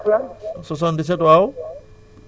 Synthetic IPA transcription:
sɔs̬ɔndis̬ɛtʊaw

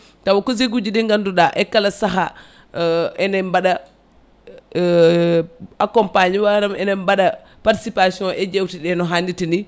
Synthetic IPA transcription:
tawakɔzeɡud͡ʒiɗɛŋɡanduɗaʔɛkalasaɦa | ɛnɛmbaɗa | akɔmpaɲiwaɾamɛnɛmbaɗa | paɾti̥sipasiɔnʔɛd͡ʒewtiɗɛnɔɦanditini

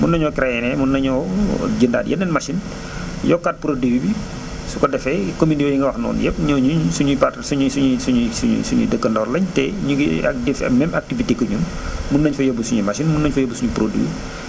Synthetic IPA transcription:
munːɐɲɔkɾɛjɛnɛmunːɐɲɔd͡ʒənda̰ːdjɐ̰dɛnmɐʃin | jɔkːat̚pɾodiwibi | sukɔdɛfɛkomindiwɐjiŋɡɐwɐxnɔ̰ːnjɛp̚ɲɔɲuɲsuɲupatsuɲsuɲusuɲusuɲṵsuɲṵdəkːəndɔːrlɐɲtɛɲuɡḭdɛfmɛmak̚tivitekəɲun | munːɐɲfɐjobusuɲumɐʃinmunːɐɲfɐjɐbːusuɲupɾodḭwḭ

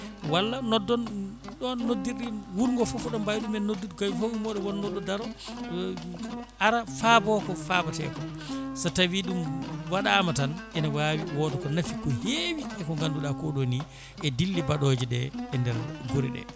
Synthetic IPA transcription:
walːanɔdːɔn | ɗɔːodːiɾɗiwuɾŋɡɔfɔfɔɗɔmbajɗumɛnːodidkɔfaumɔɗɔwɔnːɔdɔdaɾɔ | ʔaɾafabɔkɔfabatɛ̰kɔ | satawiɗumwaɗamatanɛnawawiwɔtɔkɔnafikɔhewiɛkɔŋɡanduɗakɔɗoni | ʔɛdilːibaɗod͡ʒiɗɛ̰ɛndɛɾɡuɾḭɗɛ̰

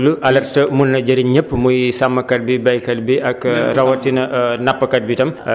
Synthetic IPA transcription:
luʔɐlɐrtɐmunːɐd͡ʒɐɾiɲəpːmujsamːɐkɐt̚bibɐjkɐl̚biʔɐkɾɐwɐtːinɐnapːɐkɐt̚bitɐm

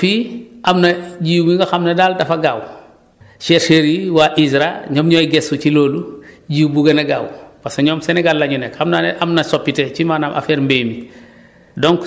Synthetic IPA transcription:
fiɐmnɐɟiːwmiŋɡɐxɐmnɐdaːldɐfɐɡaːw | ʃɛɾʃeɾiwaʔisɾaɲɔmɲɔjɡɛsuciloːluɟiwbuɡɐnɐɡaːwpasɐɲɔːmsɛnɛɡallɐɲunɛkxɐmnaːnɛʔɐmnɐsɔpːitɛcimaːnamʔa̰fɛːɾmbeːmi | dɔŋk

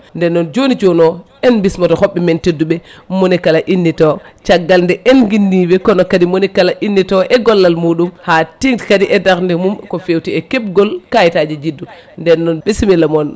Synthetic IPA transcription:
ndɛnːɔnd͡ʒonit͡ʃonɔ | ɛnbismatɔhɔɓːɛmɛntedːuɓɛmonɛkalaʔinːitɔt͡ʃaɡːalndɛʔɛnɡinːibɛkɔnɔkadimonɛkalaʔinːitɔʔɛɡɔlːalmuːɗumhatiŋtkadiʔɛdaɾndɛmumkɔfewtiɛkep̚ɡɔlkajtad͡ʒid͡ʒidːu | ndɛnːɔnɓesimilamɔn

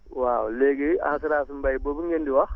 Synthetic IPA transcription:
wawlɛɡɛa̰nsiɾaːsimbajbobuŋɡendiwa

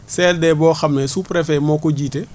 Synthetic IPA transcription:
sɛːldɛːbɔːxɐmnɛsupɾɛfɛmɔːkɔɟiːte

